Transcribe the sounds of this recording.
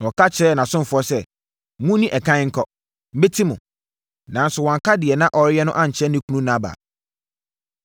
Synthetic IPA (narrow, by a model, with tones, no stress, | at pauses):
ɔ˨ka˦t͡ɕʰɪ˨ɾɛ˦˨nã˨sʊ̃˦m̩˨fʊ˨˦ɔ˦sɛ˦ | mũ˦nĩ˦ʔɛ˨kʰã˦ŋ̩˦kʰɔ˦ | m˦be˦tʰi˦mʊ̃˨ | nã˨˦n̩˦sʊ˨wɔ̃˨ŋkʰa˦dɪ˨ɛ˨nã˦ʔɔ˨ɾɪ˦jɛ˦nʊ̃˦ʔã˦ɲ̩˨t͡ɕʰɛ˦nɪ̃˦kʰu˦nũ˦nã˨˦ba̰ː˨